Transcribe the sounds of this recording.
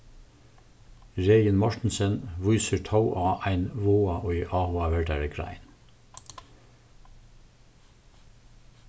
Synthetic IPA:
ɹeɪənmɔʃʈɳ̩sənʋʊʏsət̪ʰɑʊʔɑːʔæɪnʋoːɑʔɔʏʔɑːhuɑʋæɹɖæɹəkʰɾɑ̰ɪn

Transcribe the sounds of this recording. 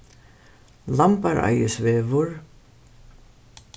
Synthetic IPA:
lampaɾʔa̰jɪsvɛːvʊɾ

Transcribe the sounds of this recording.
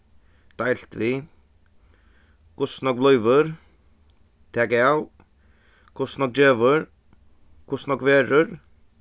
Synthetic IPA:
d̪̥ajl̥t̪ʋɪ | kʰʊsnɔk̚blœʏʋəɾ | t̪ʰɛːɡaw | kʰʊsnɔk̚d͡ʒeːʋəɾ | kʰʊsnɔkʋeːɾəɾ

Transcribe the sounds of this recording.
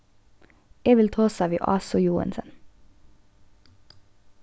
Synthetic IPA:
eːʋɪlt̪ʰʁoːsɑːʋḭʔɑ̰ːsʊjuːə̰nsən

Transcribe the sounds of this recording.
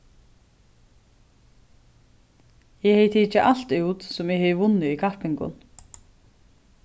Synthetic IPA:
jɛheːjt̪ʰiːt͡ʃaʔal̥t̪ʉwt̪sʊmɛɣheːvʊnːɪikʰahpɪŋkʊ̰n

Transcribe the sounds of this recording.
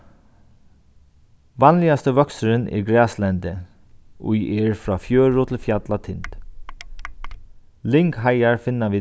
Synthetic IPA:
ʋɑnlɪast̪əʋœksəɾənʔɛ̰ɹɡɹɛːslɛnd̪ə | ṵjʔɛɹfɹɑːfjøːɹʊt̪ʰɪlfjat̪lat̪ʰɪnt̪ | lɪŋkɦajaɹfɪnːaʋiː

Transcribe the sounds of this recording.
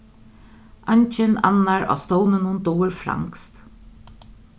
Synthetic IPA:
ʔaɲt͡ʃɪna̰nːaɹa̰st̪ownənʊnd̪ɔːɪɾfɾa̰ŋkst̪

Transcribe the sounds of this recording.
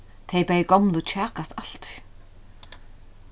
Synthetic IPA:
t̪ʰeːjpajɪkowmlʊt͡ʃʰaːkast̪al̥t̪

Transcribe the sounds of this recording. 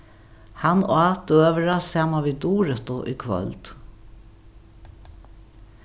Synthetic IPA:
hanɔ̰at̪øːʋəɾasaːmaʋid̪uːɾət̪ʊʔḭkʰvœ̰lt̪

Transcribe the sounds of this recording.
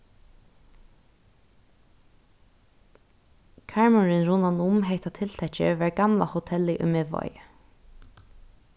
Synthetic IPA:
kʰaɹmʊɹɪnɹunanʊmɦeɪt̪at̪ʰɪlt̪ʰɛt͡ʃə̰ʋæɹɡamla̰hʊt̪ʰɛlɪʔʊ̰jmevɔ̰ʏ

